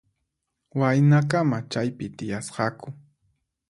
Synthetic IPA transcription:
wajnakamat͡ʃajpɪt̪ɪjasqɑkʊ

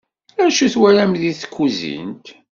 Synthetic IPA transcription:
ænʃuθwæɾæmðiθə̥kʷʰːuzḭnt̪

